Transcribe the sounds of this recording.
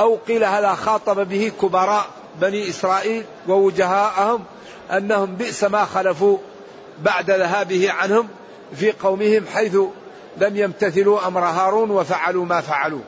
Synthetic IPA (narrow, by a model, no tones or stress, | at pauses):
ʔawqiːlahaːðaxɑːt̪ˤɑbabɪhɪkʊbɑɾˤɑːʔ | baniːʔɪsɾˤɑːʔiːl | wawʊd͡ʒaɦaːʔhʊm | ʔanːahʊmbɪʔsamaːxalafuː | baʕd̪aðaɦaːbɪhɪʕanhʊm | fiːqɑwmɪhɪmħajθʊ | lamjamt̪aθɪluːʔamɾˤɦɑːɾˤuːnwafaʕaluːmaːfaʕalṵː